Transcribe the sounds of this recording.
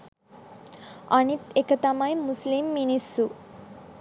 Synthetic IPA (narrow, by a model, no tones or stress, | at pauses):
ʌnit̪ekət̪amãj̃muslimːinisu